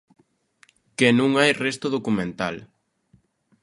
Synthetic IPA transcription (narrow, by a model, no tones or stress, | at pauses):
kenũŋajrest̪ʊðokumẽnt̪a̰l